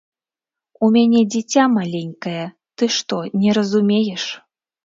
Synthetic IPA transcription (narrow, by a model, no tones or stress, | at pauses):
umʲanʲɛd͡zʲɛt͡sʲamalʲenʲkɐjɐ | t̪ɨʂt̪ɔnʲɛɾɐzumʲejɛʂ